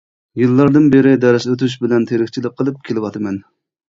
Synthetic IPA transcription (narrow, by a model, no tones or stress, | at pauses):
jɨlˠːɑɾd̪ɨnbeɾɪd̪ɛɾɛʃøt̪yʃ̬bɪlɛnt̪ʰeɾɪkʲt͡ʃʰilɪk̚qʰːəlˠɨp̚kʲʰelɪwɑt̪ʰɨmɛn